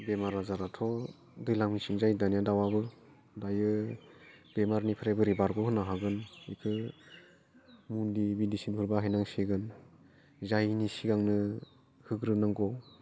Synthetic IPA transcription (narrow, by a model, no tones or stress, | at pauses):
bemaɾazaɾatʰɔ | dɯjlaŋmisinzajdanijadawabɯ | dajɯ | bemaɾnipʰɯɾajbɯɾibaɾɡɔhɯnaɦaɡɯnijkʰɯ | mundibidisinhʰuɾbaɦajnaŋsiɡɯn | zajnisiɡaŋnɯ | hɯɡɾɯnaŋɡɔ